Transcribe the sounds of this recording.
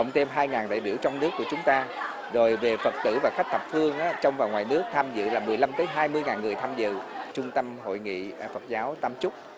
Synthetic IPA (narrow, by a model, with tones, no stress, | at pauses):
ə̰˧˨wŋ͡mt̪ʰe˧mɦaː˧jŋaː˨˩nɗa̰ː˧˨jɓi˧˩əwt͡ɕɔ˧wŋ͡mnɨ˦˥əkːu˧˩ət͡ɕʊ˨˦ŋ͡mt̪aː˧ | zo˨˩jve˨˩fə˨˩t̚t̪ɨ̰˧˩vaː˨˩xa˦˥k̚t̪ʰə˨˩p̚fɨ˧əŋʔaː˨˦˥t͡ɕɔ˧wŋ͡mvaː˨˩wŋwaː˨˩jnɨ˦˥ək̚t̪ʰaː˧mzɨ̰˧˨laː˨˩mɨ˨˩əjla˧mt̪əː˨˦jɦaː˧jmɨ˧əjŋaː˨˩nŋɨ˨˩əjt̪ʰaː˧mzɨ̰˧˨t͡ɕʊ˧ŋ͡mt̪ə˧mɦo̰˧˨jŋḭ˧˨˩fə˨˩t̚zaː˨˦wt̪a˧mt͡ɕʊ˦˥k͡p̚